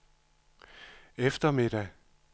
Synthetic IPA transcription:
efd̥ɐme̝d̥æ

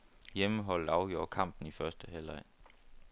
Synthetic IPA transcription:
jeməɦɒ̽l̰d̥ɑ̈ʊɡ̥jo̝ːɐ̰kʰɑ̈m̰b̥n̩ifɶɐsd̥əɦelɑɪ̰n

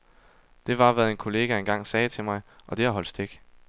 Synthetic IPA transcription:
d̥e̝ʋɑ̈ʋæð̩ˠenkʰo̝le̝ːɡ̥æe̝nɡ̥ɑ̈ŋ̰sɛːt͡sʰe̝mɑ̈ɪʔɒ̽d̥e̝æ̈ɦɒld̥sd̥eɡ̥

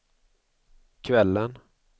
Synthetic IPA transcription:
kʰvɛlːən

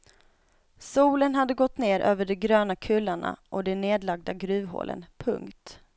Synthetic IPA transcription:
suːlənɦad̪ːəɡɔt̪ːneːɾʔøːvəɖɛɡɾøːnakʰɵlːaɳa̰ʔɔd̪ɛneːd̪laɡ̚d̪aɡɾʉ̟ːvɦo̰ːlʔə̰npʰɵ̰ŋkt̪

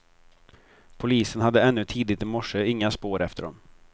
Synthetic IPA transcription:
pʰʊliːsənɦad̪ːəɛnːɵt̪ʰiːd̪ɪt̪ɪmɔʂːəɪŋːaspoːɾɛft̪əɖɔ̰m

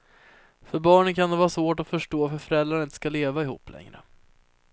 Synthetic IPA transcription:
fœɾbɑːɳənkʰand̪ɛvɑːɾasvoːʈɔfœʂʈoːvafœɾfœɾɛld̪ɾaɳɪnt̪ə̥skaleːvaɪhṵːpːlʔɛ̰ŋɾə̰

